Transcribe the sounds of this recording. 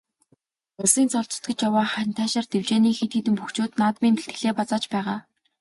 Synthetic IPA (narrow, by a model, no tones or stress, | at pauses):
ʊsiːnt͡sɔɮt͡sɞ̥̆t̪̚ɡɘ̆t͡ɕjawaːχænt̪ʰæːʃaːrt̪ewt͡ɕeːniːxit̪eːt̪ɘ̆mpuxt͡ɕoːt̪naːt̪miːnpeɬt̪ɡɘ̆ɮeːpat͡saːt͡ɕpæːʁaː